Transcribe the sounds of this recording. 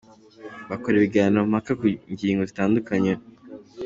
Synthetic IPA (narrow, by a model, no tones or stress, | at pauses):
βakoɾeβiɡaːnom̥hakakuɲɟiːŋɡozitaːndukaɲe